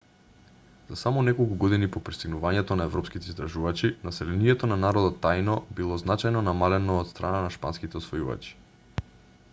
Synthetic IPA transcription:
z̥asamɔnɛkolˠkuɡɔd̪inipopɾi̥st̪iɡnuvaɲɛt̪onaɛvɾɔpskit̪ɛist̪d̪ɾaʒuvat͡ʃinasɛlɛniɛt̪onanaɾɔd̪ɔt̪ːajnɔbilˠɔznat͡ʃajnɔnamalɛnoːt̪st̪ɾʔananaʃpa̰nskit̪ɛosvojuva̰t͡ʃi̥

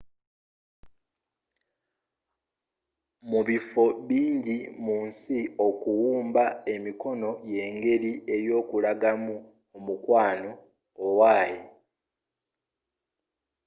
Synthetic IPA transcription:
muβifo̞βiːɲɟimuːnsio̞kuwuːmbae̞miko̞no̞je̞ːŋɡe̞ɾie̞ɾjo̞ːkulaɡamu | omukwaːno̞ː | waːje

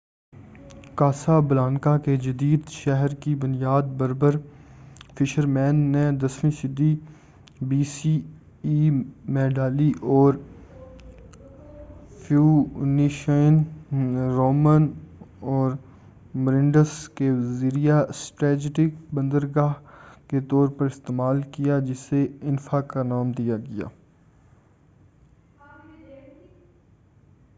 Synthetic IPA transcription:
kaːsabɐlaːnkaked͡ʒɐd̪iːd̪ʃɛɦəɾkibʊnjaːd̪̚bɐɾbəɾ | fʰɪʃəɾmɛ̃ːnːẽd̪ɐsmĩʃɪd̪ːi | biːsi | iːmẽɖaːliʔɔːɾ | fʰjuːniʃən | ɾoːmənɔːɾ | məɾɪ̃ɳɖəskeʋziɾijasʈɾɛːd͡ʒʈɪkbə̃nd̪əɾɡaːɦket̪ɔːɾpɐɾɪst̪eːmaːlkijad͡ʒɪseɪnfakanaːmd̪ijaɡɐja̰ː

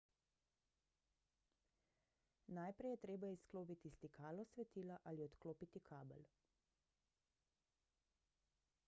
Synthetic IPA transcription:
najpɾɛjɛt̪ɾeːbaiskloːpit̪ist̪ikʰaːlɔsʋɛt̪iːlaʔaliɔt̪kloːpit̪ikʰaːbɛ̰l

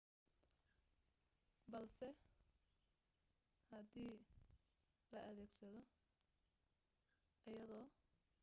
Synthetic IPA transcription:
bɐlsɛ | hɐd̪iː | lɐʔɐðɛːɡsɐðɔ | ʔɐjɐðɔː

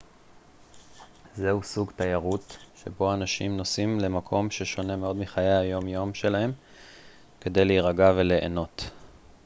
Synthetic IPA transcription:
zehusuɡtajaʁutʃḛbo̞anaʃimno̞simle̞makʰo̞mʃeʃo̞ne̞meo̞dmiχajaajo̞mjo̞mʃe̞lahe̞m | ke̞d̪e̞jleiʁaɡave̞le̞ʔḛno̞t̪

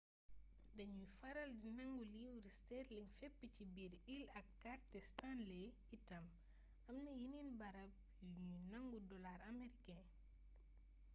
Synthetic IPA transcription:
dɐɲufɐɾɐldinɐŋɡuliwɾistɛɾliŋfɛpːicibiɾilɐkːaɾtɛstanle | itɐm | ʔɐmnɐjininbɐɾɐp̚ | juɲunɐŋɡudɔlaɾɐmeɾikɛ

